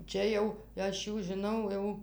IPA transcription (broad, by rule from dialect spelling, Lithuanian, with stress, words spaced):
ˈt͡ʃʲɛ jɛʊ ˈɐʃ ˈjuː ʒʲɪˈnɐʊ jɛʊ